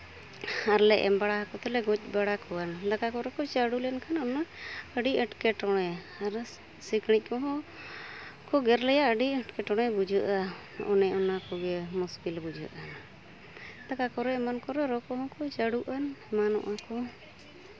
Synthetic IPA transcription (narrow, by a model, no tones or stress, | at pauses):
aɾlɛʔɛmbaɽaɦakɔt̪ɛlɛɡɔc̚ˀbaɽakʰɔwand̪akakɔɾɛkɔt͡ʃaɽulɛnkʰanɔnɛəɖiəʈkɛʈɔɽ̃ɛ | aɾ | sikɽic̚ˀkɔɦɔ̃ | kɔɡɛɾlɛjaʔəɖiəʈkɛʈɔɽ̃ɛbud͡ʒuʔa | ɔ̰nɛɔnakɔɡɛmusbilbud͡ʒṵʔan | d̪̥akakɔɾɛmankɔɾɛɾɔkɔɦɔ̃kɔt͡ʃaɽuʔanmanɔ̰ʔakɔ